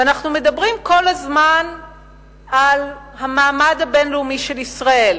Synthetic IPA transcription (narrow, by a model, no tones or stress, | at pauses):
anaχnume̞dabʁimko̞lazman | al | hamaːmadabe̞nleumiʃe̞lisʁae̞l